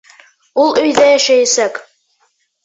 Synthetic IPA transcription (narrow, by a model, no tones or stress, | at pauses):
ulˠɵ̆jðæjæʃæjæsæk